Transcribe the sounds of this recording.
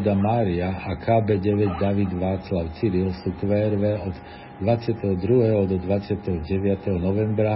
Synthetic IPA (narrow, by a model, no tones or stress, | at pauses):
d̪amaːɾiaakʰaːbɛːɟɛʋɛɟd̪aʋid̪ʋaːt͡slaʊt͡siɾilsuːkʋɛːɾʋɛɔd̪ | d̪ʋat͡sɪat̪ɛɦɔd̪ɾuɦɛɦɔd̪ɔd̪ʋat͡sɪat̪ɛɦɔɟɛʋɪat̪ɛɦɔnɔʋɛmbɾa